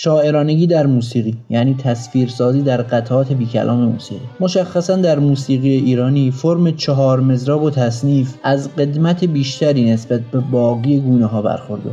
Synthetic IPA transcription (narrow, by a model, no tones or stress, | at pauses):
ʃɒːʔe̞ɾɒːneɡiːd̪æɾmuːsiːɣiːjæniːt̪ʰæsfiːɾsɒːziːd̪æɾɢæt̪ʰʔɒːt̪ʰe̞biːcʰæ̰lʔɒ̰ːme̞mṵːsḭːʁimo̞ʃæxːæsænd̪æɾmuːsiːɣijeʔiːɾɒːniːfoɾmet͡ʃʰeɦɒːɾme̞zɾɒːbot̪ʰæsniːfʔæzɢe̞d̪mæt̪ʰebiːʃt̪ʰæɾiːne̞sbæt̪̚be̞bɒːɣiːeɡuːneɦɒːbæ̰ɾxo̞ɾd̪ḛ